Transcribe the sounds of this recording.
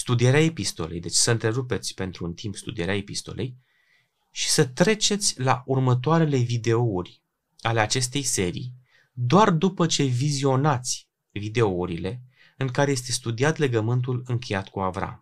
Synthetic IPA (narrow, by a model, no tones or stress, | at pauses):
st̪ud̪ieɾeae̞pist̪o̞̰le̞jd̪e̞t͡ʃsəɨnt̪ɾe̞ɾupe̞t̪sʲpe̞nt̪ɾuːnt̪ʰimpst̪ṵd̪ieɾeaepist̪o̞̰lʔe̞̰j | ʃi̥sət̪ɾe̞t͡ʃe̞t̪sʲla̰ʔurmət̪oaɾe̞le̞vid̪e̞ourʲ | ale̞at͡ʃe̞st̪e̞jse̞ɾḭj | d̪oard̪upət͡ʃe̞vizio̞nat̪sʲ | vid̪e̞ouɾile̞ | ɨŋkaɾeje̞st̪e̞st̪ud̪iat̪le̞ɡəmɨnt̪̬ulɨŋkʰʲe̞jat̪kuavɾa̰m